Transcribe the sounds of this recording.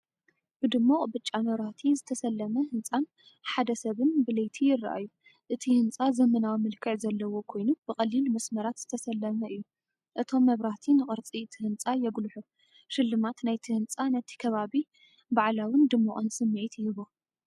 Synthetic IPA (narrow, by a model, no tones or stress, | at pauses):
b̥ɨd̪ɨmːoqʼbɨt͡ʃʼːamɐβɾaht̪ʰizɨt̪ʰɐsɐlːɐmɐhɨnt͡sʼan | ħad̪ɐsɐβɨnbɨlejt̪ʰijɪrːa̰ʔa̰jːu | ʔɨt̪ʰihɨnt͡sʼazɐmɐnawmɨlkʰɨʕzɐlːɐwo̞kʰo̞jnub̥ɨkʼɐlːilmɐsmɐɾat̪z̥ɨt̪ʰɐsɐlːɐmɐʔɨjːu | ʔɨt̪ʰo̞mːɐβɾaht̪ʰinɨχʼɨɾt͡sʼit̪ʰɨhɨnt͡sʼajɛɡlħu | ʃɨlːɨmat̪najt̪ʰɨhɨnt͡sʼanɐt̪ʰi̥kʰɐβaβi | baʕlawɨnd̪ɨmːoʔʼɨnsɨmːiʕit̪jɪɨβo